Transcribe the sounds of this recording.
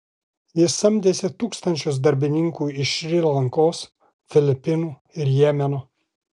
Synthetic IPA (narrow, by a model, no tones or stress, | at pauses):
jɪsɐmʲd̪ʲeːsʲɪt̪uːkst̪ɐnʲt͡ʃʲʊs̬d̪ɐɾʲbʲɪnʲɪŋkuːɪʃɾʲɪlˠɐŋkoːs | fʲɪlʲɪpʲɪnuː | ɪɾjɛːmʲɛno